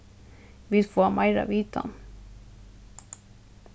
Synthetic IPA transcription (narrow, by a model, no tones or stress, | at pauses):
vɪd̪foːamʔajɾa̰viːt̪ʰa̰n